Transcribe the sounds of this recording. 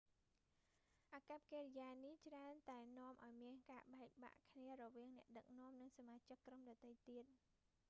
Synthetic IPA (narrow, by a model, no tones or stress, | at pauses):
ʔakap̚keːrijaːniht͡ɕraənt̪aɛnŏəmʔaɔjmiənkaːɓaɛk̚ɓa̰ʔkʰniərɔʋiəŋnɛ̆əʔɗək̚nŏəmnɨŋsamaːt͡ɕɨkːromɗɑːt̪ejt̪iət̪̚